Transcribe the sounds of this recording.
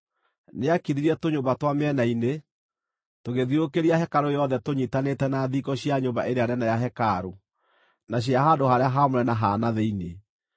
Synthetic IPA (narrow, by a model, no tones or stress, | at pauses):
neakiðiɾɛtoɲoːmbatwameɛnaine | toɣeðiokeɾiahɛkaɾojɔðɛtoɲitanetɛnaðikɔɕjaɲombaʔeɾeaɾɛnajaɦɛkaɾo | naɕ̬jaɦandohaɾeaɦamoɾɛnaɦanaðeine